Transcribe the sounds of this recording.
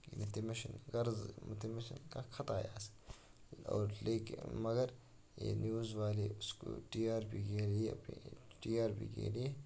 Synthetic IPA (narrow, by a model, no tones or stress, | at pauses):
ɪlt̪imeʃɐnɡɐɾzmut̪imeʃənkakʰɐt̪aːjaːs | o̰ːɾleːkmɐɡɐɾ | jḛːnjuːzʋaːliʊsko̰ʈiːaːɾbʱiɡeːliɐ̰piʈiːaːɾbḭɡḛːli